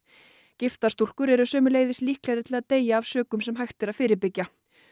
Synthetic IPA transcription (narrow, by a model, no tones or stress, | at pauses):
cɪft̪ast̪ul̥kʏɾɛɾʏsœːmʏleːjðɪsliːhklɛːɣðɪɾt̪ʰɪlaðt̪eːjaːvsœːkʏmsɛmɦajxt̪ɪɾaðfɪːɾɪpɪcːa